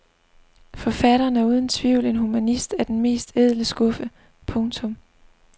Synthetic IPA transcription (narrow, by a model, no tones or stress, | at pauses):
fɒ̽fæɾɐːnæɐuːð̞ˠn̩t͡sʰʋḭʊ̰le̝nɦumænisd̥æd̥enme̝̰ːsd̥eð̞ˠləsɡ̥ɔ̽fə | pʰɔ̽ŋt͡sʰɔ̽m